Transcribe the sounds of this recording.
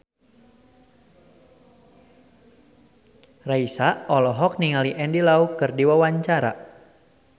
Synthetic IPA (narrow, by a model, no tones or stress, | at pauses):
raisaʔɔlɔɦɔk̚niŋaliʔɛndilaukɨrdiwawaɲt͡ʃaɾa̰